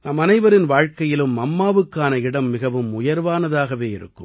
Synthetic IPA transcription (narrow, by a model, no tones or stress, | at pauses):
nɐmɐnɐɪʋɐɾɪnʋaːɻkɐjɪlɯmːɐmːaːʋɯkːaːnɐɪɽɐmːɪɣɐʋɯmʊjɐɾʋaːnɐðaːɣɐʋeːɪ̰ɾɯ̰kːɯ̰m